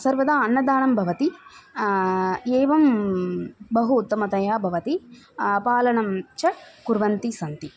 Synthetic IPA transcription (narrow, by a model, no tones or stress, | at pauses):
sɐɾʋɐd̪aːɐnːɐd̪aːɳɐmbʱɐʋɐt̪i | eːʋɐm | bɐɦuːt̪ːɐmɐt̪ɐjaːbʱɐʋɐt̪i | paːlɐɳɐmt͡ʃɐkuɾʋɐnt̪isɐnt̪i